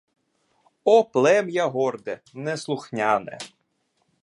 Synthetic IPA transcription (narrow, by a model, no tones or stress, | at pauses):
ɔplˠɛmjaɦɔrd̪ɛmnɛslˠʊxnʲanɛ̰